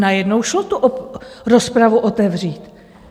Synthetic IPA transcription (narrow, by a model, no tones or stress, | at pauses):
najɛdnowʃlot̪uʔoɾo̞spɾavuʔo̞t̪ɛvr̝iːt̪